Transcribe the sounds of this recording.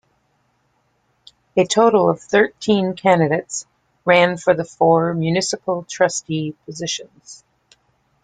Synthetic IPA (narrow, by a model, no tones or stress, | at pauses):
ɨtʰoʊɾl̩ˠʌv̥θɜ˞tʰĩnkʰæ̃ndɨɾeɪts | ɹæ̃nfə˞ðəfɔɹmjʉnɪsəpl̩ˠtʰɹ̥ʌstipʰɨzɪʃɨ̃nz̥